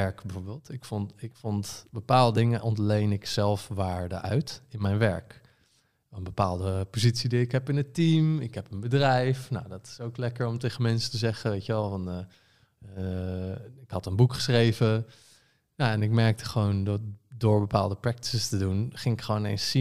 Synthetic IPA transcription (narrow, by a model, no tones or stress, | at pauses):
ɛɹkbɛvoːɹbeːlˠtɪkfɔnɪkfɔntbəpaːlˠdədɪŋəʔɔntlejnɪksɛlˠfʋaːɹdəʔœ̰ɥtɪnmɛjnʋɛ̰ɹk | nbəpaːlˠdəpozitsidiɪkɦɛpɪnətimɪkɦɛpənbədrɛjfnawdɑtɪ̥sowklɛkəɹɔmtejχənmɛnsətəzɛχəʋejtəʋɛlˠfɑn | ɪkhɑtənbukχə̥srejvə | jaɛnɪk̚mɛɹk̚tə̥χəʋowndtdʊːɹbəpa̰ːlˠdəprɛk̚tɪstədunχɪŋɪkχəʋownejnsi